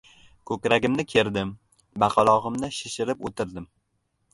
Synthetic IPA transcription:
kʰɵkʲɾaɡʲɪmnɪkʲʰe̞ɾd̪ɪm | bɑqʰɑlˠɒʁɨmnɪʃɪʃɪɾɪpot̪ʰɪɾd̪ɪm

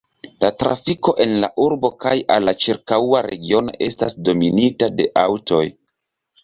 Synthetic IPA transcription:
latɾa̰fiko̞ʔe̞nlaʔuɾbo̞kajalːat͡ʃiɾkawaɾe̞ɡio̞no̞̰ʔe̞stasdo̞minitade̞ʔawto̞j

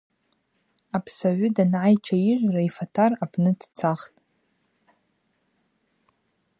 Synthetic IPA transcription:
apʰsaʕʷʊdanʕajt͡ʃʰaɪʒʷraifatʰarapʰnɨdt͡sʰaχtʼ

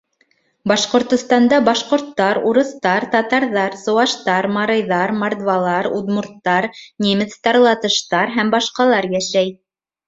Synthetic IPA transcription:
bɑʃqŏɾt̪ŏst̪ɑnd̪ɑbɑʃqŏɾt̪ːɑɾuɾɤ̆θt̪ɑɾt̪ɑt̪ɑɾðɑɾsɤ̆wɑʃt̪ɑɾmɑɾɤ̆jðɑɾmɐrd̪vɑlˠɑɾud̪muɾt̪ːɑɾnʲimʲɘ̆t̪st̪ɑɾlˠɑt̪ɤ̆ʃt̪ɑɾɦæmbɑʃqɑlˠɑɾjæʃæj

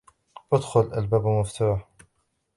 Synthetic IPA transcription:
ʔad̪xʊlʔalbaːbmʊft̪uːħ

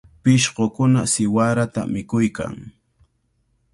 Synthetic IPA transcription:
pɪʃɢokʊnasɪwaɾat̪a̰mɪkʊjka̰ŋ

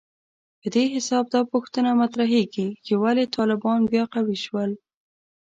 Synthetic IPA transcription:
pəd̪eɦɪsɑb̚d̪ɑpuxt̪ənamat̪ɾaɦeɡit͡ʃewalet̪ʰɑlɪbɑnbjɑqawiʃwəl

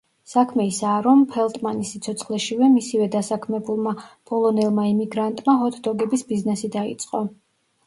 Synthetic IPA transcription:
sakʰmɛisaːɾɔmpʰɛlˠt̪ʼmanisit̪sʰɔt̪sʰχlɛʃivɛmisivɛd̪asakʰmɛbulˠmab̥ʼɔlˠɔnɛlˠmaimiɡɾant̪ʼmaɦɔt̪ʰd̪ɔɡɛbisbiznɛsid̪aḭt̪sʼqʼɔ

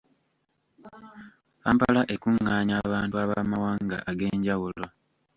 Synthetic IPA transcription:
kaːmpalaʔe̞kuŋːaːɲaβaːntuaβaːmawaːŋɡa̰ʔaɡe̞ːɲɟawulo̞

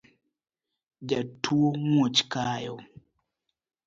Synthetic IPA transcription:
d͡ʒatʰːuoŋot͡ʃkaːjɔ

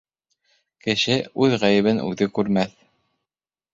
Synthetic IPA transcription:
kɘ̆ʃɘʉðʁæjɘ̆βɘnʔʉ̰ðɘkʉɾmæθ

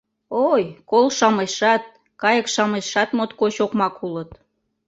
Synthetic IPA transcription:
ojkolʃɑmeʃɑt̪̚ | kɑjə̆kʃɑmeʃɑt̪mot̪koɕokmɑkulət̪

